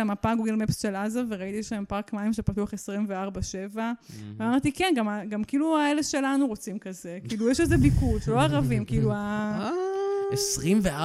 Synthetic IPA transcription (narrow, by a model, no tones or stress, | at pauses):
amapaɡuɡe̞lmepsʃe̞lazaveʁait̪ieʃaempaʁkmaimʃepat̪uaχe̞sʁimveaʁbaʃe̞vaamaʁt̪ikenɡamaɡamkiiːluaeleʃe̞lanuʁo̞t͡simkaze̞kiiːlujɛʃezebikutlo̞aʁavimkiilua | esʁimvea